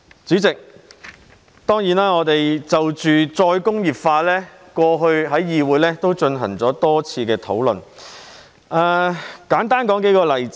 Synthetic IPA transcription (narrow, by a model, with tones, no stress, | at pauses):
t͡syː˨˥t͡sɪ˨k̚ | t̪ɔː˥ŋjiː˨˥naː˥ŋɔː˨˧t̪e˨jt͡sɐ˨wt͡ʃyː˨t͡sɔː˧jkʊ˥ŋjiː˨p̚faː˧lɛː˥ | kʷɔː˧ɦɵ˧ɥɦɐ˨˥jːiː˨˧wuː˨˧jlɛː˥t̪o˥wt͡ʃɵ˧nɦɐ̰˨˩ŋt͡sɔː˨˥t̪ɔː˥t͡sʰiː˧kɛː˧t̪ʰo˨˥wlɵ̰˨n | ʔaː˨˧kaː˨˥nt̪aː˥nkɔː˨˥ŋke˨˥jkɔː˧lɐ˨˩jt͡s